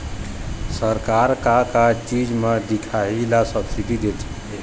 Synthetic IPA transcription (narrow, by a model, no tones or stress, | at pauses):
səɾkaɾkakat͡ʃid͡ʒmed̪ikʰailasəbsidid̪et̪ʰɛ̥